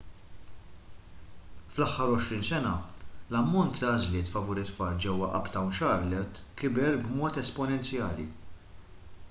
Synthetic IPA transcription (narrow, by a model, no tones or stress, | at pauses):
flɐħːɐɾɔʃɾiːnsɛnɐlɐmːɔnt̪ːɐːzlɪːt̪fɐvuːɾɪt̪ːfɐːld͡ʒɛwːɐʔɐ̰pt̪ɐwnʃɐɾlɛt̪kɪbɛɾbmɔːt̪ɛspɔnɛnt͡sjɐːlḭ